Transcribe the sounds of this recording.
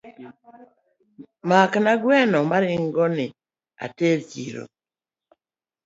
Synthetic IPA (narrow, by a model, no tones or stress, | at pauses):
maknaɡwɛnɔmaɾɪŋɡɔnɪ | a̰teɾt͡ʃiɾo̰